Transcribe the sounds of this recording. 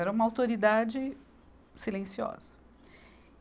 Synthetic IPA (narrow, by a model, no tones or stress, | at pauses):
ɛɾɐũmɐawt̪oɾid̪ad͡ʒɪ | silẽsiɔ̰z̥ɐ̥